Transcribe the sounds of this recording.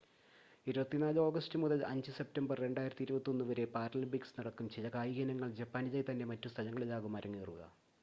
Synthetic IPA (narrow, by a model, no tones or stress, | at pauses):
iɾubɐt̪ːinaːlo̞ːɡɐstɨmuðɐlɐɲd͡ʑɨse̞p̚tɐmbɐrːe̞ɳɖaːjiɾɐt̪ːiɾubɐt̪ːio̞nːuʋɐɾe̞paːɾɐlbiksnɐɽɐkːumt͡ɕejɐkaːjiɡɐnɐŋːɐɭd͡ʑɐpːaːnid͡ʑɐjt̪ɐnːe̞mɐtːust̪ʰɐlɐŋːɐɭilaːɣumɐɾɐŋːiɣɐruɣɐ̰